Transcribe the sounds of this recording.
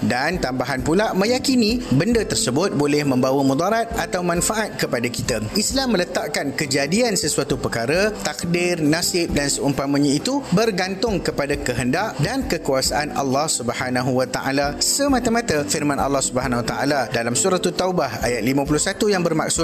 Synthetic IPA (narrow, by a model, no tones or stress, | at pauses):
dant̪ambaɦanpulaʔmə̃jakinĩbəndət̪ərsəbʊt̪̚bolɛhmə̃mbawəmũd̪ɔɾat̪̚at̪awmãnfaʔat̪̚kəpadakit̪aʔislamːələt̪aʔkankəd͡ʒadiansəsuat̪upəkaɾət̪ak̚dɪrnasɪp̚dansəumpamə̃ɲãit̪ubərɡant̪ʊŋkəpadakəɦəndaʔdankəkuasaʔanɑ̰lːɑhsubəhanaɦuwat̪aʔa̰lasəmat̪amãt̪afirmãnʔɑ̰lːɑhsubəɦanawat̪a̰ʔa̰ladalamsuɾat̪ut̪aubaha̰jat̪̚limãp̬ulʊhsat̪ujaŋbərma̰k̚sʊt̪̚